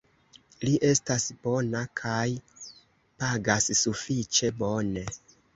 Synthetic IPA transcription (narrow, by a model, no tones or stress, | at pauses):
liʔe̞stasb̥o̞nakʰaj | paɡasːufit͡ʃe̞bo̞ne̞